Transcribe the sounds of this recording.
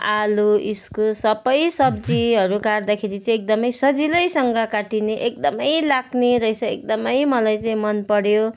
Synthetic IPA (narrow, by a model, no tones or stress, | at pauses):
aluiskosʌbʌjsʌb̚d͡ziɦʌɾukard̪akʰeɾit͡sʌ̃ĩek̚d̪ʌmʌjsʌd͡zilʌjsʌŋɡʌkaʈineʔek̚d̪ʌmʌjlaɡneɾʌjsʌek̚d̪ʌmʌjmʌlajt͡saĩmʌnpʌɽjo